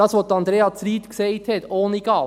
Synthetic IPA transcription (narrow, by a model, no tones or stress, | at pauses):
ɑːsʋoːd̪əɑnd̪ɾeːɑt͡sɾiːt̪ksɛɪt̪hɛt̪oːniɡ̥ɑː